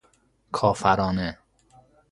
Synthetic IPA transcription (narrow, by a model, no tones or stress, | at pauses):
kʰɒːfæɾɒːne